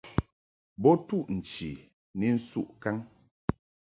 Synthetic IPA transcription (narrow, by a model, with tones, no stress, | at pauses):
bɔ˦tu˦˨ʔn̩˨t͡ʃi˨ | ni˦n̩˦su˦ʔka˦ŋ